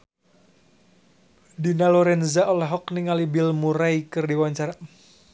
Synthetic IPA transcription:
dinalɔɾɛnzaʔɔlɛɦɔkniŋalibilmuɾaikɨrdiwaɲt͡ʃaɾa

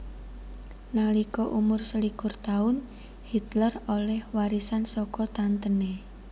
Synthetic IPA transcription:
nalikɔʔumʊrsəlikʊrt̪aʊn | hit̪lərolɛhwaɾisansɔkɔt̪ant̪əne

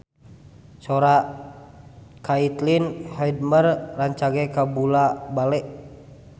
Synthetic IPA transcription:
sɔɾa | kait̪linhɛd̚mərːaɲt͡ʃaɡɛkabulabalɛʔ

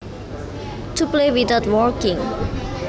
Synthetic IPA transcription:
tuplewit̪aʊtwɔɹkĩŋ

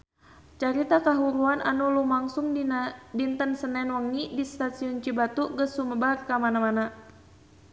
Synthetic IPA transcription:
t͡ʃaɾit̪akaɦuɾuananulumaŋsuŋdint̪ənsənɛnwəŋːidist̪asiɔnt͡ʃibat̪uɡəsuməbarkamanamana

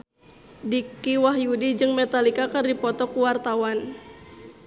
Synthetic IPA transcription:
dikiwaɦjudid͡ʒɨŋmɛt̪alikakərdipɔt̪ɔkuwart̪awan

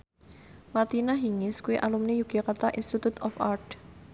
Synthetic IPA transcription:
mat̪inaɦiŋɪskuiʔalumnejuɡ̥akart̪aʔḭnst̪it̪ut̪ɔfart̪

